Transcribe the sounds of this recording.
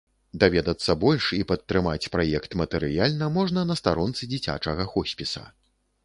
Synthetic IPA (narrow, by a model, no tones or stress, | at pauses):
d̪avʲɛd̪ɐt̪sːɐbɔlʲʂipɐt̪ːɾɨmat͡sʲpɾajɛkt̪mɐt̪ɛɾɨjalʲnɐmɔʐnɐnɐst̪aɾɔnt̪sɨd͡zʲit͡sʲa̰t͡ʂɐɣɐxɔsʲpʲisɐ̰